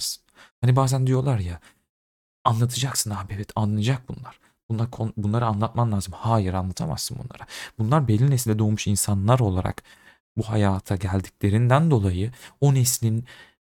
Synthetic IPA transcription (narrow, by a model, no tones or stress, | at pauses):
sɯ̥hanibaːzænd̪ijo̞lˠaɾja | anlˠat̪ʰɯd͡ʒaksɯnabevɛt̪ʰanlːˠajd͡ʒak̚bunlˠaɾ̥ | b̥unlaɾkʰonbunlˠaɾɯanlˠat̪̚mamlʲˠaːzɯmhaːjiɾanlˠat̪ʰama̰sːɯnbṵnlˠa̰ɾabunlˠaɾbelʲːinesilʲd̪ʲɛd̪ojmuʃinsanlˠaɾo̞lˠaɾa̰k | buɦa̰jaːt̪ʰaɟælʲd̪iclʲe̞ɾind̪ænd̪o̞lˠajɯo̞neslʲin